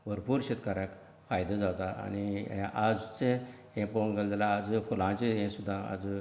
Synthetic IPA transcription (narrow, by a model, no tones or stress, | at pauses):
bʱəɾpuɾɕet̪kaɾak | fajd̪ad͡zawt̪aa̰niɛ̃ʔad͡zt͡se | ɦẽpoŋɡəld̪elaːd͡zfulãt͡ɕeɦɛ̃sud̪ʱːãa̰d͡z